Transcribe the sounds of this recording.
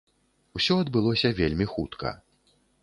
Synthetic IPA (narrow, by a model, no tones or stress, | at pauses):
usʲɔɐd̪bɨlˠɔsʲɐvʲelʲmʲixut̪kʰɐ̰